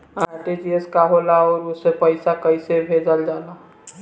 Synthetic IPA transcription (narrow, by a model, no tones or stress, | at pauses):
aɾʈed͡ʒieskaɦolaɔːɾusepəɪsakəɪsebʱed͡ʒəld͡ʒala